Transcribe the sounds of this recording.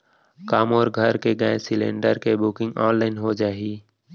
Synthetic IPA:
kaːmɔːɾɡʱəɾkeɡãːsɪlḛ̃ːɳɖəɾkebʊkɪ̃ŋɡɔ̃ːnlaːɪnɦod͡ʒaːɦiː

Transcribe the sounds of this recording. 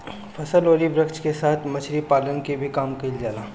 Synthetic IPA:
fʰɐsəloːɾibɾəkt͡ʃkesaːt̪ʰmɐt͡ʃʰɾipaːlənkibʱikaːmkɐɪld͡ʒaːlaː

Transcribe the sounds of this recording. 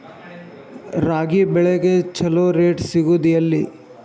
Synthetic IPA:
ɾaːɡibɛɭeɡet͡ʃɐloːɾeːʈsiɡud̪ijɐlːi

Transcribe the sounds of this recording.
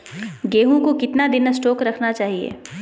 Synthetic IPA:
ɡeːɦũkokɪt̪nad̪ɪnsʈoːkɾɐkʰnat͡ʃaːɦiḛː

